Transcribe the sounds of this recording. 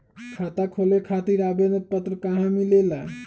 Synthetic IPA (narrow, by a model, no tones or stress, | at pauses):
kʰat̪akʰolekʰat̪iɾabenət̪̚pət̪ɾəkaɦãmilela